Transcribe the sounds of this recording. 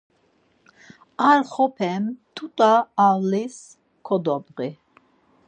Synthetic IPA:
aɾχɔpʰɛmt̪ʰut̪ʼaːwlis | kʰɔd̪ɔbqi

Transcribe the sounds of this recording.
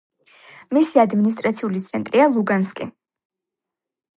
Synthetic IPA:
misiad̪minis̬t̪ʼɾat̪sʰiulit̪sʰɛnt̪ʼɾialˠuɡanskʼi

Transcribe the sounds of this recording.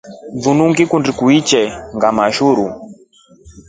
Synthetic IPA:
vunuŋɡikundikuit͡ʃɛŋɡamaʃuɾu

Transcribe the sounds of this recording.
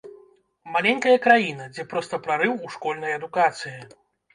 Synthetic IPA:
malʲɛnʲkɐjɐkɾajin̪ɐd͡zʲɛpɾɔst̪ɐpɾaɾɨwuʂkɔlʲnɐjɐd̪ukat̪sɨji

